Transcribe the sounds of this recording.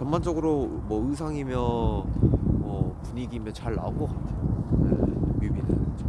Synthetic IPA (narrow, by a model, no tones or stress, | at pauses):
t͡ɕʌnmand͡ʑʌɡɯɾomwʌɯsʰaŋimjʌ | mʌpuɲiɡimjʌnt͡ɕaɭna̰onɡʌk͈atʰeojḛjumied͡ʑo